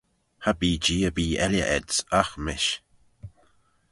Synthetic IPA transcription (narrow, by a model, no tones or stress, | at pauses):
habiːd͡ʒiːəbiːɛljə̰ʔɛdsaxmɪʃ